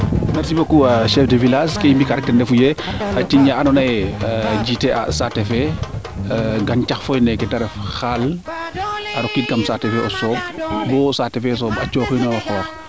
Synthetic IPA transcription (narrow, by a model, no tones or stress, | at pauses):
mɛɾsibɐkːuaʃɛfdevilaskɛmbikaɾɛk̚tɛndɛfujɛɐtiɲaɐnɔnɐjd͡ʒitɛa̰satɛfɛ | ɡɐncɐxfɔjnɛkɛtɐɾɛfxaːl | ʔɐɾɔkːit̚kɐmsatɛfɛɔsɔːb̚bɔsatɛfɛs̬ɔːbɐt͡ʃɔːxjinɔwɐxɔːx